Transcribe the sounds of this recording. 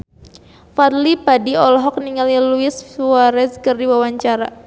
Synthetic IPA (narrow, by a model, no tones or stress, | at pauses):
farlipadiɔlɦɔk̚niŋaliluɪswaɾɛskərdiwawaɲt͡ʃaɾa